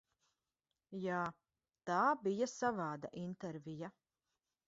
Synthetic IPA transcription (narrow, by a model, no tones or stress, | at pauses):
jaː | t̪aːbijasavaːd̪a̰ʔint̪ɛɾvija